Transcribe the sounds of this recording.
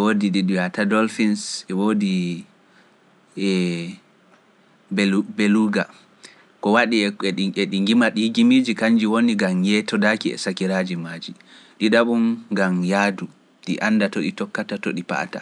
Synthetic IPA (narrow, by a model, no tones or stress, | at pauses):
ɛwoːdiɗiɗiatadɔlfinsɛwoːdi | ɛ | bbeluɡa | kɔwaɗiɛɛɗiŋɡimaɗihɡimid͡ʒikaɲd͡ʒiwoniɡamjɛtɔdakiɛ̰sakiɾad͡ʒimad͡ʒi | ɗidaɓumɡamjadu | ɗiʔanːdatoɗitɔkːatatoɗipa̰ta̰